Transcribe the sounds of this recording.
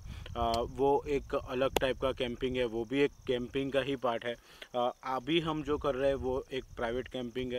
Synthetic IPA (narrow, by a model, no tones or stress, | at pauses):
ʋoːeːkɐləɡ̚ʈaːɪp̚kakɛ̃ːmpɪ̃ŋɡɦɛʋoːbʱieːkːɛ̃ːmpɪ̃ŋɡkaɦipaːɾʈɦɛː | ɐbʱiɦɐmd͡ʒoːkɐɾːɐɦɛ̃ʋoeːk̚pɾaːɪʋeːʈkɛ̃ːmpɪ̃ŋɡɦɛ